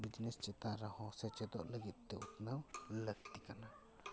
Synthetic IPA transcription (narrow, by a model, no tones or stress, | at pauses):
bid͡ʒnɛst͡ʃɛt̪aɾahɔsɛt͡ʃɛd̪ɔ̰ʔləɡit̪ːɛut̪nawləɡ̚t̪ikana